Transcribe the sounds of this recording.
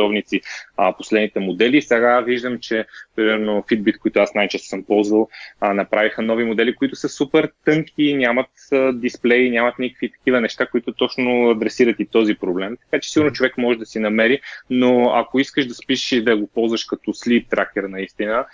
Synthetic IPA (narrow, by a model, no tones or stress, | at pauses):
ɔvnit̪siposlɛd̪nit̪ɛmod̪ɛlisɛɡaviʒd̪əmt͡ʃɛpɾimɛɾnofid̪̚bit̪koit̪ʊasnajt͡ʃɛst̪o̥səmpɔlˠzvəlˠnɐpɾavixənɔvimod̪ɛlikoit̪ʊ̥səsupɛɾt̪ɤŋkʰʲinʲamət̪d̪isplɛjinʲjamɐt̪nikə̥kvit̪ɐ̥kivənɛʃt̪akoit̪ʊt̪ɔt͡ʃnʊɐd̪ɾɛsiɾət̪it̪ɔzipɾoblɛmt̪ɐ̥kat͡ʃɛ̥siɡʊɾnot͡ʃovɛkmɔʒɛd̪ɐsinɐmɛɾinoɐ̰koiskəʃd̪ɐspiʃʃid̪ɐɡopɔlˠzvəʃkɐt̪ɔslit̪ːɾʔak̚k̪ʲɛɾnɐist̪inə